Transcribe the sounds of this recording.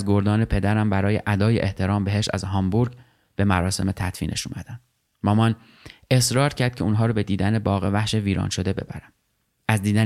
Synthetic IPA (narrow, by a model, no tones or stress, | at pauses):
zɡoɾd̪ɒːne̞pʰe̞d̪æɾæmbæɾɒːjeʔæd̪ɒːjeʔeht̪ʰe̞ɾɒːmbe̞ɦeʃæ̰zɦɒmbuɾɡ | b̥e̞mæɾɒːse̞̰me̞t̪ʰæt̪ʰfḭːnʔḛʃṵːmæd̪̥ænd̪̥ | mɒːmɒn | e̞sɾɒːɾcʰæɾd̪̚cʰe̞uːnɦɒːɾɒːbe̞d̪iːd̪æne̞bɒːɣevæhʃe̞viːɾɒ̰ːnʃo̞d̪e̞be̞̰bæ̰ɾæm | ʔæzd̪iːd̪æ